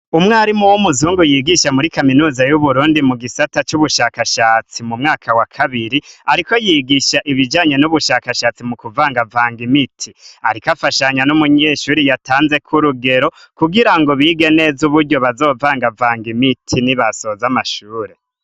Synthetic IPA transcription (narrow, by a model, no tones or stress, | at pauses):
umŋaːɾimuwomuzuːŋɡujiɡiʃamuɾikaminuːzajuβuɾuːndimuɡisatat͡ʃuβuʃakaʃaːt͡simumŋaːkʰawakʰaβiɾiaɾiko̞jiːɡiʃaʔiβid͡ʒaːɲe̞nuβuʃakaʃat͡simukuvaːŋɡavaːŋɡimitʰiaɾikafaʃaɲanumuɲeːʃuːɾijataːnze̞kʰuɾuɡe̞ɾo̞ | kuɡiɾaŋɡo̞βiːɡe̞ne̞zuβuɾɟo̞βazo̞ːvaːŋɡavaːŋɡimitʰiniβaso̞zamaʃuːɾe̞